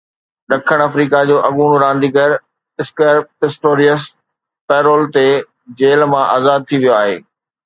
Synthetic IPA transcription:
ɗɐkʰəɽ̃ɐfɾiːkad͡ʑoːʔɐɠuːɽ̃oɾãːnd̪iːɡɐɾ | ɪskəɾɪsʈoːɾiəs | pɛːɾoːlt̪e | d͡ʑeːlmãʔaːzaːd̪̚t̪ʰiʋijoaːɦḛː

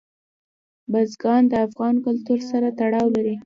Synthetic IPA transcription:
bazɡɑnd̪əafɣɑnkʊlt̪uɾsaɾat̪aɽɑwlaɾi

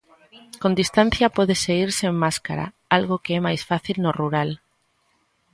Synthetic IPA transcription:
kond̪ist̪an̟θjapɔðeseɣiɾsemmaska̰ɾa̰ | alɣ̞okeɛmajsfaθilnoruɾal

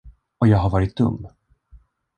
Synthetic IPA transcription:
ɔjɑːɡɦaɾvɑːɾɪt̪̚d̪ɵ̰mː

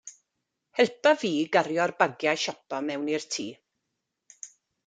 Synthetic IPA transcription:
hɛlˠpaviːɡaɾjɔrbaɡjajʃɔpɔmɛwnirtʰiː

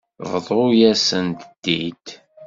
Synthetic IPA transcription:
vðˤʊjæsənt̪d̪̥ːid̪

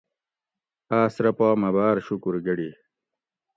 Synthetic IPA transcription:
aːsɾɐpaːmɐbaːɾɕukuɾɡɐɽi

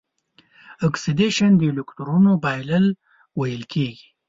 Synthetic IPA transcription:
ɔksid̪eʃand̪əlʊkt̪uɾunobɑjləl | wajəlkʰeɡi̥

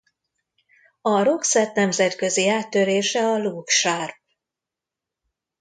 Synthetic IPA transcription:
ɒɾo̞ksɛt̪nɛmzɛt̪kø̞ziaːt̪ːøɾeːʃɛɒluːkʃarp̚

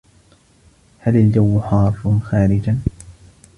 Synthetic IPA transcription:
halald͡ʒawːʊħɑːɾˤfʊnxaːɾɪd͡ʒan

